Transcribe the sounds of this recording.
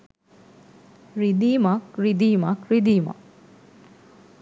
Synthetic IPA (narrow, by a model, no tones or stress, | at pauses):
ɾid̪iːmakɾid̪iːmakɾid̪iːma̰k